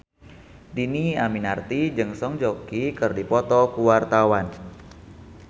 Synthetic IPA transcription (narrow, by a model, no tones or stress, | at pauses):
diniaminart̪id͡ʒɨŋsɔŋd͡ʒɔkikɨrdipɔt̪ɔkuwart̪awan